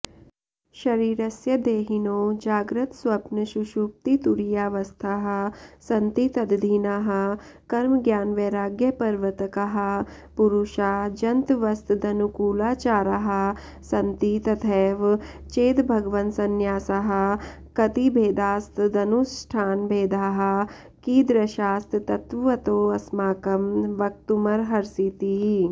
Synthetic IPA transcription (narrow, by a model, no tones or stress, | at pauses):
ʃɐɾiːɾɐsjɐd̪eːɦinoːd͡ʒaːɡɾɐt̪sʋɐpnɐʃuʃuːp̚t̪it̪uɾijaːʋɐst̪ʰaɦɐ̆sɐnt̪it̪ɐd̪d̪ʱiːnaɦɐ̆ | kɐɾmɡjaːnʋeːɾaːɡjɐpɐɾʋɐt̪ɐkɐɦɐ̆ | puɾuʃaːd͡ʒɐnt̪ʋɐst̪d̪ɐnukuːlaːt͡ʃaːɾɐɦɐ̆ | sɐnt̪it̪ɐt̪ʰeːʋ | t͡ʃeːt̪bʱɐɡʋɐnt̪sɐnjaːsaɦɐ̆ | kɐt̪ibʱeːd̪aːst̪d̪ɐnusʈʰaːnbʱeːd̪aːɦɐ̆ | kiːd̪ɾɐʃaːst̪t̪ɐt̪ʋɐt̪oːɐsmaːkɐmʋɐk̚t̪umɐɾɦɐɾsiːt̪iɦi